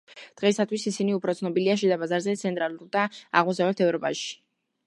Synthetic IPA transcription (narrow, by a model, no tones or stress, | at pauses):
d̪̥ʁɛsat̪ʰwisisiniupʰɾɔt̪sʰnɔbiliaʃ̬ɛd̪abazaɾzɛt̪sʰɛnt̪ʼɾalˠuɾd̪aaʁmɔsavlɛt̪ʰɛvɾɔpʼaʃi̥